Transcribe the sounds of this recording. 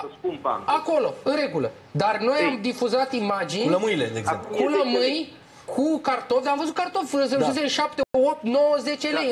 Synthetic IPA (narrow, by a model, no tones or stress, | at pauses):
um̰ako̞lo̞ɨɾe̞ɡulə̰ | d̪arno̞jamd̪ifuzat̪imad͡ʒinuləmɨjled̪eɡzekuləmɨn | kʰukart̪ovd̪amvəzut̪̚kart̪o̞fsesuseʃap̚t̪eop̚t̪nowəze̞t͡ʃelej